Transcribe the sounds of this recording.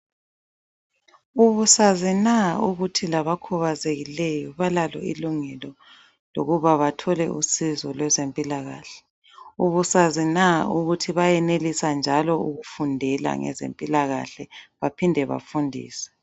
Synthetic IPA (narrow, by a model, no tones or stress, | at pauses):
uβusazinauɣutʰilaβakʰɔβazeɣilɛjɔβalalɔ̰iluŋɛlɔ | loɣuβaβatʰɔlɛ̰ʔusizɔlwɛzempʼilaɣa̰ːɬɛ̥ | uβusazinauɣutʰiβajɛnelisand͡ʒʱalɔuɣufundʱɛla̰ŋɛ̰zḛmpʼilaɣa̰ɬɛβapʰindʱɛβa̰fundʱḭːsɛ̥